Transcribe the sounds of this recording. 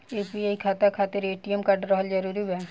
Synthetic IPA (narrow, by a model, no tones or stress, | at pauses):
eːpiaːikʰaːt̪akʰaːt̪ɪɾeːʈijəmkaɖɾɔːɦəld͡ʒɐɾuːɾiɛː